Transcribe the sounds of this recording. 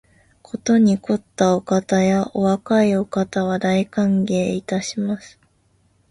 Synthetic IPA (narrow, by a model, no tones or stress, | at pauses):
kʰo̞t̪o̞ɲ̟iko̞t̪ːaokat̪ajaʔo̞βakaio̞kat̪aβ̞ad̪aikãŋɡe̞ːit̪aɕimasɨ̥